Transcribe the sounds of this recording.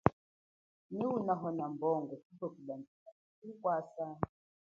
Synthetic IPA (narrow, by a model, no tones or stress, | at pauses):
niwunaɦɔnambɔŋɡɔsikɔkilandikasikwasa